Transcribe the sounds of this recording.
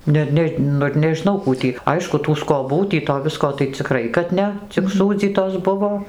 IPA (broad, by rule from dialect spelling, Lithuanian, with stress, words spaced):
ˈnʲɛ ˈnʲɛ ˈnʊ ɪr nʲɛʒʲɪˈnɐʊ ˈkuː tʲiː ˈɐɪʃkʊ tuː skoːˈbuː tʲiː toː ˈʋʲɪskoː tɐɪ t͡sʲɪˈkrɐɪ kɐt ˈnʲɛ t͡sʲɪk ˈsuːd͡zʲiːtoːs ˈbʊʋoː